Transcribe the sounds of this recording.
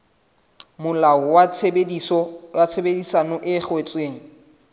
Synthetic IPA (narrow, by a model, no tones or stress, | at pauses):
mʊlaɔwabɔat͡sʰebedisanɔʔɪχwet͡sʼweːŋ̩